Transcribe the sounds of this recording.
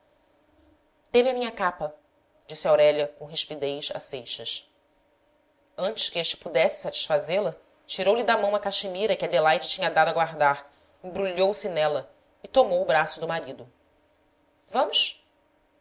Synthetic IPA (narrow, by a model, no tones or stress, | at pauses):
t̪ẽmɪɐmĩɲɐkapɐ | d͡ʒisɪawɾɛʎɐkõɦiʃpid̪ejʃa̰sejʃɐs | ɐ̃nt͡ʃɪʃkɪeʃt͡ʃɪ̥pud̪ɛsɪ̥sat͡ʃi̥ʃfazelɐ | t͡ʃiɾowlɪd̪ɐmɐ̃w̃ɐkaʃimiɾɐkɪɐd̪elajd͡ʒɪt͡ʃĩɲɐd̪ad̪ʊɐɡwaɾd̪aɾ | ẽbɾuʎowsɪnɛlɐ | ɪt̪omowʊbɾasʊd̪ʊmaɾid̪ʊ | vɐ̃mʊʃ